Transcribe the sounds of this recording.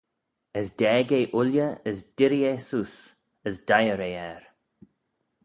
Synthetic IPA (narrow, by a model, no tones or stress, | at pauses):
əsd̥ɛːɡeːʔʊljəəsd̥ɪɾieːsus | əsdajəɾeːɛɹ